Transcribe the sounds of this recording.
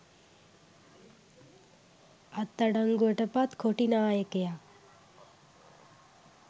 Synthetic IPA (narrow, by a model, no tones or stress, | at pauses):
ɐt̪ːɐɽɐŋɡuəʈɐpat̪kʰoʈinaːjekeja